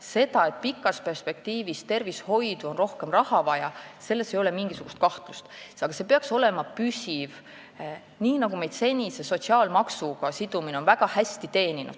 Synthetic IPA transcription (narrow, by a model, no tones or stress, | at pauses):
se̞d̪̥ɑe̞t̪̚pikːˑɑspe̞rspe̞k̚t̪iːvist̪e̞rvisho̞jd̪uo̞nro̞hke̞mrɑhɑvɑjɑse̞lːe̞sejo̞lemiŋɡ̥isuɡ̥ust̪̚kɑht̪lust̪ɑɡɑse̞peɑkso̞lɛmɑpysiv | niːnɑɡume̞jd̪̥se̞nʲise̞so̞t̪siɑːlmɑksuɡ̥ɑsid̪̥umineo̞nvæɡ̥ɑhæst̪it̪e̞ːninṵd̪̥